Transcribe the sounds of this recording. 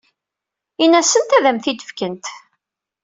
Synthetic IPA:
inæsənt̪æðæmθid̪ə̥fkənt̪

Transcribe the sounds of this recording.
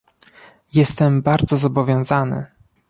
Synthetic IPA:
jɛst̪ɛmbaɾd̪zɔzɔbɔvʲjɔ̃w̃zanɘ̰

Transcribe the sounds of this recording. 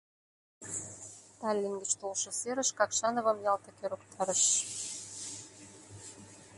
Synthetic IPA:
t̪ɑlʲːiŋɡə̆t͡ɕt̪olʃɤ̆seɾə̆ʃkɑkʃɑnŏβə̆mjɑlt̪ɤ̆køɾokt̪ʰɑɾəʃ

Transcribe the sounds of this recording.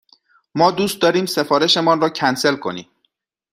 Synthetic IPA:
mɒːd̪uːst̪̚d̪ɒːɾiːmse̞fɒːɾe̞ʃe̞mɒːnrɒːcʰænse̞lkʰo̞̰nḭːm

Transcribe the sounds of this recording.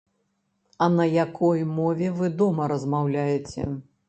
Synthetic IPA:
ɐnɐjakʰɔjmɔvʲɛvɨd̪ɔmɐɾɐzmawlʲajɛt͡sʲɛ̰

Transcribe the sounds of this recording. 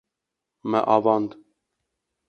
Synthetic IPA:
mɛ̰ʔɑvɑnd̪

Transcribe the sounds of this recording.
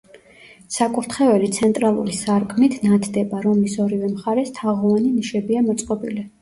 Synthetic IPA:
sakʼuɾt̪ʰχɛvɛlit̪sʰɛnt̪ʼɾalˠṵɾisaɾkʰmit̪ʰnat̪ʰd̪ɛbaɾɔmisɔɾivɛmχaɾɛst̪ʰaʁɔvaniniʃɛbiamɔt̪sʼqʼɔbili

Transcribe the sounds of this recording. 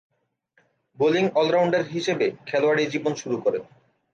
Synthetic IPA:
boliŋɔlɾawɳɖeɾɦiʃebekʰɛloaɽid͡ʑibonʃuɾukɔɾe

